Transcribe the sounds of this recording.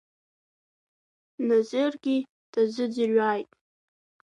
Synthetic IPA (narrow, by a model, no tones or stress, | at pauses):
nazɪrɡʲi | d̥ʰʼazʷɨd͡zirɥaːjtʼ